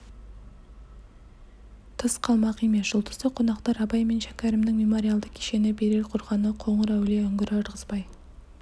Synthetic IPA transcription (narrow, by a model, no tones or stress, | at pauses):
t̪ʰəsqʰɑlˠmɑqijmesʒ̥ʊlˠt̪ʰə̥zt̪əqʰo̞nɑqt̪ɑɾɑbɑjme̞nʃækʲæɾɪmnɪŋmemo̞ɾʲialˠd̪əkʲʰe̥ʃe̞nɪbe̞ɾelqʰʊɾʁɑnəqʰo̞ɴəɾæwleɵŋɡʲɪɾɪɾʁəzbɑj